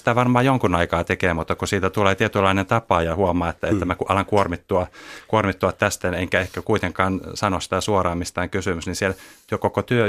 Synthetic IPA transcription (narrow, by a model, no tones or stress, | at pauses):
i̥t̪æʋɑrmɑːjoŋkunɑikɑːt̪ekeːmut̪ːɑkusiːt̪æt̪uleːt̪iet̪ylːɑinent̪ɑpˑɑːjɑhuomˑɑːet̪ːæet̪ːæmækuʔɑlɑŋkuormit̪ːuɑkuormit̪ːuɑt̪t̪æst̪æneŋkæehkækuit̪eŋkɑːnsɑnossi̥t̪æsuorɑːmist̪æːŋkysymysnisielt̪yøkokot̪yø